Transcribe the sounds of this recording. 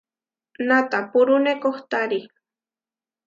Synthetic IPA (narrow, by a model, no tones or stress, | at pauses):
nat̪apʊɾʊnekoχt̪aɾi